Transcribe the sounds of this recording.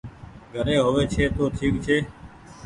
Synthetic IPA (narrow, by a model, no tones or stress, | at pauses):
ɡʱəɾeːɦoːʋeːt͡ʃʰeːt̪oːʈ̪ʰiːk̚t͡ʃʰeː